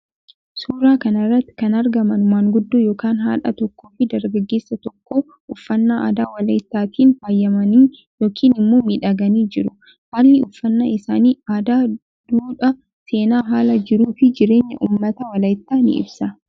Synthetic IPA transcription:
suːɾaːkɐnɐrːɐt̪ːɪ̥kɐnɐɾɡɐmɐnmaːŋɡʊd̪ːoːjoːkaːnɦa̰ːᶑɐ̰t̪ɔkːoːfɪd̪ɐɾɡɐɡːe̞ːsːɐt̪ɔkːoː | ʊfːɐnːaːʔa̰ːd̪aːwɐlɐjt̪ːaːt̪ʰiːnfaːjːɐmɐniː | jo̞ːkʰiːnɪmːoːmiːᶑɐɡɐniːd͡ʒɪɾʊ | haːlːɪʊfːɐnːaːɪsaːniːaːd̪aː | d̪̥uːᶑɐ | se̞ːnaːɦaːlɐd͡ʒɪɾuːfɪd͡ʒɪɾe̞ːɲːɐ̰ʔuːmːɐt̪ɐwɐlɐjɪt̪ːaːnɪ̰ɪ̰bsɐ

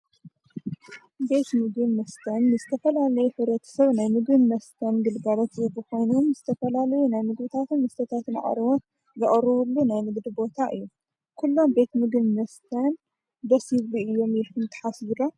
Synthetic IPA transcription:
be̞t̪mɨɡɨnmɐst̪ʰɐnːɨzɨt̪ʰɐfɐlalɐjuħɨβɾɐt̪ʰɐ̥sɐβnajmɨɡɨnmɐst̪ʰɐnɡɨlɡaɾot̪zɨbɨkʰo̞jnomzɨt̪ʰɐfɐlalɐjunajmɨɡβɨt̪ʰat̪ʰɨnːɐst̪ʰɐt̪ʰat̪ʰɨna̰ʔʼɐ̰ɾɨβot̪ | zɨʔʼɾɨβulːunajmɨɡd̪ɨbo̞t̪ʰaʔɨjːu | kʰulːo̞mbe̞t̪mɨɡɨβmɐst̪ʰan | d̪ɐsiβluɨjːo̞mjɛkɨnt̪ʰɨ̥ħaszɨlo

